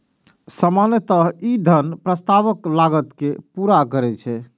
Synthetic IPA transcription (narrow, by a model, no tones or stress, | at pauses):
səmanjət̪əɦid̪ʱənpɾəst̪aʋəklaɡət̪kepuɾakəɾɛt͡ʃʰɛ